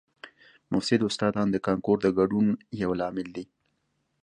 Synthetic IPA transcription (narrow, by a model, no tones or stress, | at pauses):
mʊfsɪd̪ʊst̪ɑd̪ɑnd̪əkɑŋkoɾd̪əɡaɖunjawlɑmɪld̪i